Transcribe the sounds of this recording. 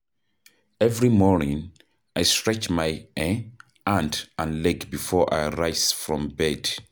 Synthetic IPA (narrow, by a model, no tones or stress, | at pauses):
ɛvɹimɔɹnĩŋ | ajstɹ̥ɛt͡ʃmajɛ | ãndʔə̃nlɛɡbifɔɹʔa̰ɪɹaɪz̥fɹɔ̃mbɛd̥